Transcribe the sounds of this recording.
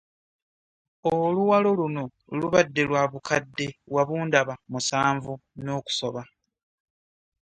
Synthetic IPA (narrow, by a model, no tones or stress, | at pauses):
oluwalo̞luno̞ | luβadːe̞lwaβukʰadːe̞waβuːndaβamusaːɱvuno̞ːku̥so̞̰βa